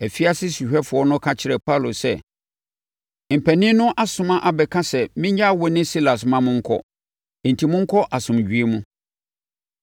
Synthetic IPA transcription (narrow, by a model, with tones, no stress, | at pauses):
æ˨fi˦a˦sɪ˦si˨ɕᶣɛ˦fʊ˨ɔ˦nʊ̃˦kʰa˦t͡ɕʰɪ˨ɾɛ˨pʰa˦˨lo˨sɛ̰˦˨ | m̩˨pʰæ˨nɪ̃˦nʊ̃˦ʔa˦sʊ̃˦mã˦ʔa˨bɛ˨kʰã˦sɛ˨mɪ̃˦ɲ˦a˦˨wɔ˦nɪ̃˦si˦la˨smã˦mʊ̃˦ŋ̩˦kʰɔ̰˦˨ | n̩˨tʰi˨mʊ̃˦ŋ̩˦kʰɔ˦ʔa˨sʊ̃˨m˨ɥᶣi˨e˦mũ˦